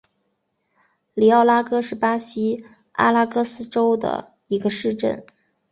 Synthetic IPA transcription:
li˧˥ɑ˥˩ʊla˥kɤ˥ʂɻ̩˥˩pa˥ɕi˥ | a̰˥la˥kɤ˥sɹ̩˥ʈ͡ʂo˥ʊd̪ə̰˨˩ | i˧˥ɡə˧ʂɻ̩˥˧ʈ͡ʂə̰˥˩n

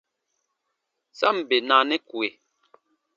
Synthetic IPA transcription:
sa˦˨m̩˨be˨na˨nɛ˦kwe˨

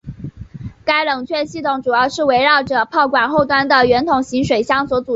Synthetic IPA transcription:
ka˥ɪlɤ˨˩ŋt͡ɕʰɥɛ˥˧nɕi˥˩t̪ʰʊ˧˥ŋʈ͡ʂu˨˩jɑ˥˧ʊʂɻ̩˥˩we˧˥ɪɻɑ˥˩ʊʈ͡ʂɤ˨˩pʰɑ˥˩ʊkwa˨˩nxo˥˩ʊt̪wa˥nd̪ə˨ɥɛ˧˥nt̪ʰʊ˨˩ŋɕi˧˥ŋʂwe˨˩ɪɕjɑ˥ŋswɔ˧˥t͡su˨˩

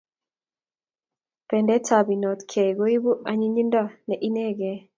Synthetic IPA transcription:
pɛ˨ndɛ˦ta˨bi˨nɔ˨t̪kʰɛ˨ɡo˦i˦bu˦ʔa˨˦ɲi˦ɲi˦nda˦nɛ˨ʔi˦nɛ˦˨ɡɛ˦

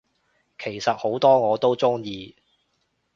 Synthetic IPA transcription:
kʰe˨˩jsɐ˨t̚ho˨˥wt̪ɔː˥ŋɔː˨˧t̪o˥wt͡sʊ˥ŋjiː˧

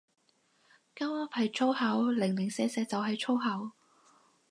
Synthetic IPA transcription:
kɐ˥wɐ˥p̚hɐ˨jt͡ʃʰo˥whɐ˨˥wlɪ˨˩ŋlɪ˨˩ŋsɛː˧sɛː˧t͡sɐ˨wɦɐ˨jt͡ʃʰo˥wɦɐ˨˥w

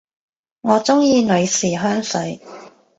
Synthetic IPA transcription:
ŋɔː˨˧t͡sʊ˥ŋjiː˧nɵ˨˧ɥsiː˨˩ɦœː˥ŋsɵ˨˥ɥ

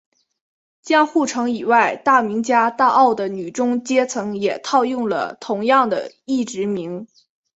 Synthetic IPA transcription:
t͡ɕjɑ˥ŋxu˥˩ʈ͡ʂʰɤ˧˥ŋi˨˩wa˥˩˧ɪt̪a˥˩mi˧˥ŋt͡ɕja˥t̪a˥˧ʔɑ˥˩ʊd̪ə˩ny˨˩ʈ͡ʂʊ˥ŋt͡ɕjɛ˥t͡sʰɤ˧˥ŋjɛ˨˩t̪ʰɑ˥˧ʊjʊ˥˩ŋlə̰˩t̪ʰʊ˧˥ŋjɑ˥˩ŋd̪ə̰˩ | i˥˩ʈ͡ʂɻ̩˧˥mi˧˥ŋ

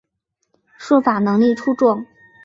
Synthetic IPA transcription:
ʂwɔ˥˩fa˨˩nɤ˧˥ŋli˥˩ʈ͡ʂʰu˥ʈ͡ʂʊ˥˩ŋ

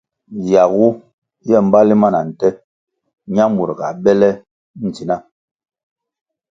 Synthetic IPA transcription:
ja˨ɣu˦ | jɛ˦˨m̩˦ba˦li˦ma˦˨na˨n̩˨tɛ˦ | ɲa˦mu˨ɾɡa̰˨bɛ˦lɛ˦ | n̩˨ti˨na˦

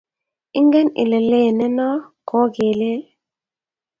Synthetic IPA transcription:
i˦ŋɡɛ˦nḭ˨le˨le˦˨nɛ˦nɔ˦kɔ˦ɡe˨le˦

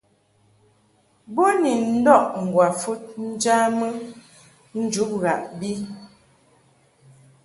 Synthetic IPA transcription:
bo˦ni˨n̩˦dɔ˦˨ʔŋ̩˨ɡwa˨fu˦t̚n̩˦d͡ʒa˦mə˦ | n̩˦d͡ʒu˨˦p̚ɣa˨ʔbi˦

